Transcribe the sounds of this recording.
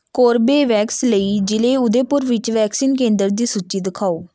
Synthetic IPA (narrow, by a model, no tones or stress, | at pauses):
koːɾbeːʋɛːksləiːd͡ʒɪleːʊd̪eːpʊɾʋɪt͡ʃʋɛːksiːnk̬ẽːnd̪əɾd̪iːsʊtt͡ʃːiːd̪ɪkʰaːoː